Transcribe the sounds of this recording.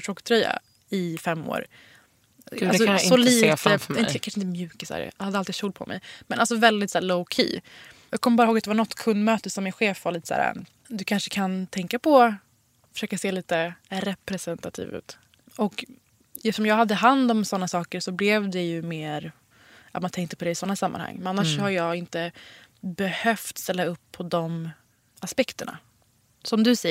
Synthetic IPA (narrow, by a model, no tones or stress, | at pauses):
ʂɾɔkːt̪ʰɾœjːa̰ | ɪfɛmːo̰ːɾ | as̬ɔsɔliːt̪əɪnəkʰanʂəɪnt̪ːmjʉ̟ːkasæ̰ːɾ̰had̪əalt̪id̪ɕuːl̚pʰɔ̰mʔɛ̰jmɛnʔalsɔvɛld̪ɪt̪sæːɾloʊkʰḭːjɑːɡkʰɔmːbɑɾhoːɡat̪̚ɛvaɳɔt̪ːkʰɵnd̪møːt̪əsɔmːɪnɧeːfvaɾliːt̪ə̥sæ̰ːɾa̰ | d̪ɵkʰanʂə̥kʰant̪ʰɛŋkapʰɔ | fœ̥ʂøːkaseːliːt̪əɾɛpɾɛsɛnt̪at̪ʰḭːvʉ̰ːt̪ | ɔk | jɛft̪ːʂɔmjɑːɡhad̪ːəɦand̪ɔmsɔnːasɑːkəɾsɔblɛvd̪ɛjɵmeːɾ | at̪mant̪ʰɛŋkt̪əpɔd̪ɛɪsɔnːasamːa̰nha̰ŋːmɛnanːaʂɔhaɾjɑːɡɪnt̪əbɛhœft̪st̪ɛlːaɵpʰːɔd̪ɔm | aspɛkt̪əɳa̰ | sɔmd̪ɵsɛj